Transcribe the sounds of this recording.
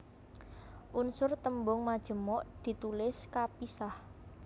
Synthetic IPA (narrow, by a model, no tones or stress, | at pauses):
ʔunsʊrt̪əmbʊŋmad̥ʒ̥ə̤mɔʔd̪̥i̤t̪ulɪskapisah